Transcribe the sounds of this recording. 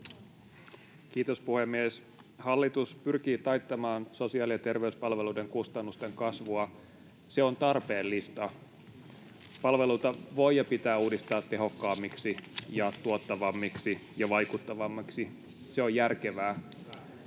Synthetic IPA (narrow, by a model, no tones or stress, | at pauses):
kiːt̪o̞spuhe̞mːies | hɑlːit̪uspyrk̟iːt̪ɑjt̪ːɑmɑːnso̞siɑːliɑt̪e̞rʋeyspɑlʋe̞luːde̞ŋkust̪ɑnːust̪e̞ŋkɑsʋuɑ | se̞o̞nt̪ɑrpe̞ːlːist̪ɑ | pɑlʋe̞luit̪ɑʋo̞jjɑpit̪æːuːdist̪ɑːt̪ːe̞ɦo̞kːɑːmːiksijɑt̪uot̪ːɑʋɑmːiksijɑʋɑjkut̪ːɑʋɑmːɑksi | seo̞jærke̞ʋæː